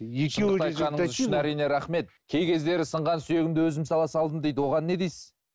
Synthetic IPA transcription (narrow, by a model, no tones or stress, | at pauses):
eʃəenɑj̪qɑnəɴzʏʃɪnæɾijne̞ɾæχme̞t̪̚kʲʰe̞jkʲʰe̞zd̪e̞ɾɪsəɴʁɑnsyje̞ɡʲɪmd̪ɪwɵzɪmsɑlˠɑsɑlˠd̪ənd̪ejd̪wo̞ʁɑnːe̞d̪ejsɪz̥